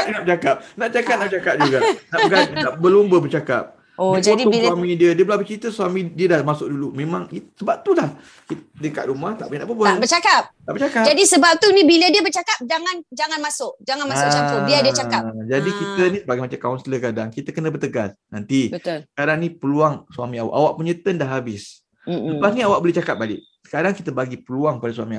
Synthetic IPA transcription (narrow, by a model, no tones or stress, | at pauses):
nap̚t͡ʃakap̚nap̚t͡ʃakat̚nabət͡ʃakap̚d͡ʒuɡanaʔɡasaʔbəlʊmbəbərt͡ʃakap̚ | odɔd̪swamĩdiədiəbəlabət͡ʃit̪əsuamĩdiədahmasʊk̚dulumẽmaŋsəbap̚t̪ulah | kit̪dəka̰ʔ̪̚ɾumat̪a̰ʔbənaʔbəbaabət͡ʃakap̚t̪aʔbərt͡ʃakad͡ʒadisəbap̚t̪unibilədiəbərt͡ʃakap̚d͡ʒaŋand͡ʒaŋanmasʊʔd͡ʒaŋanmasʊt͡ʃaʊdiədiət͡ʃakap̚d͡ʒadikit̪ənisəbaɡajmat͡ʃakaɔnst̪ələɡadaŋkit̪əkənəbərt̪əɡasnant̪ibət̪lsəkaɾaŋnipəluaŋswamĩawa̰ʔawaʔpuɲət̪əndahɦabɪs | ləpasniawaʔ̚boliht͡ʃakap̚balɪʔ̚sə̥kaɾaŋkit̪əbaɡipəluaŋpadasuamia